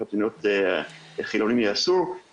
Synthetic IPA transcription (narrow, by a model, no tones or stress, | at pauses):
atd̪inot̪e | χilonimjeasu